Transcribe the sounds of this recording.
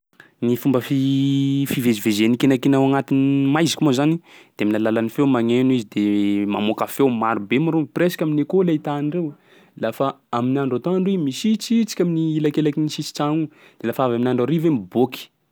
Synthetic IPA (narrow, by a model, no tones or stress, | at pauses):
nifumbəfifivezivezenikenakenawaŋat̪inmajzi̥kimozanid̪̥emilalalanifewmaŋenizid̪emamokafewmaɾubemaɾopresḁkʲaminekolait̪anirew | lafaaminaɳɖ͡ʐat̪ɔ̃aɳɖ͡ʐimisit͡sit͡si̥kʲaminiilakelakinisisi̥t͡saŋu | d̪̥elafavaminaɳɖ͡ʐaɾivemiboki̥